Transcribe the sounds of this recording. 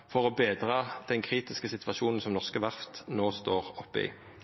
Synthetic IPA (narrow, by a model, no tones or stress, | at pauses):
fɔʁoːbeːd̪ʁɑːd̪̥ɛnkʰʁiːt̪ɪskəsɪt̪ʰʋɑʃuːnn̩sɔmnɔʁskəʋɑft̪noːst̪oːʁɔpːəɪ̰ː